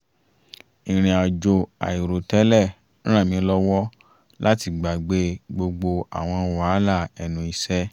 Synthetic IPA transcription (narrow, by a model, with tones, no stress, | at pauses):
ĩ˨ɾ̃ĩ˨a˨d͡ʒo˧a̰˨i˨ɾo˨tɛ˨˦lɛ˦˨˦ | ɾ̃ã˦˨mĩ˨˦lɔ˦wɔ˦ | la˦ti˧ɡ͡ba˨ɡ͡be˧ɡ͡bo˧ɡ͡bo˧a̰˨w̃ɔ̃˧˨wa˨˦la˦˨ɛ˨nũ˧˦i˧sɛ˦